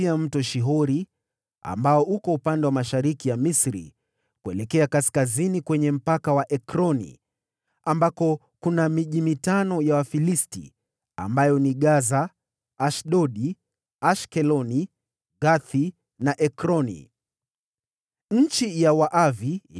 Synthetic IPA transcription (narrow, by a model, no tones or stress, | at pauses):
iam̩tɔʃiɦɔɾi | a̰mbaɔʔukɔupandɛwamaʃaɾikijamisɾḭ | kuɛlɛkɛakaskazinikwɛɲɛm̩pakawaʔɛkɾɔnḭ | ambakɔ | kunamiʄimitanɔjawafilistḭ | a̰mbajɔniɠazaː | ʃɗɔɗi | aʃkɛlɔni | ɡaθi | naʔɛkɾɔnḭ | ɲ̩t͡ʃijawaʔavi